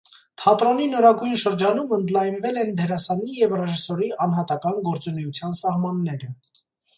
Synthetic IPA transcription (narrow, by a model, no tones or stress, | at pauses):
t̪ʰɑt̪ɾɔninɔɾɑɡujnʃəɾd͡ʒɑnumənd̪lɑjnvɛlɛnd̪ɛɾɑsɑnijɛvrɛʒisɔɾiɑnɦɑt̪ɑkɑnɡɔɾt͡sunɛjut͡sʰjɑn̪sɑhmɑnːɛɾə